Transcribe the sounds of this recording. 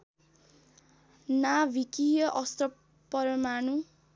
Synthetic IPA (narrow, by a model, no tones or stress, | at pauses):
nabʱikijʌʔʌst̪ʌ | pʌɾmanu